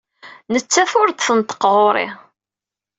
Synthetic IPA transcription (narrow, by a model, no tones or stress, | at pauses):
nət͡sːæθʊɾd̪θənt̪ə̥qʁoɾˤḭ